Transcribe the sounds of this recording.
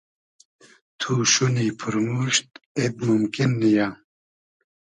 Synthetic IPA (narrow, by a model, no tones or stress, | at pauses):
t̪ʰuʃunipʰɨɾmuʃt̪̚eb̪̚mumkinːija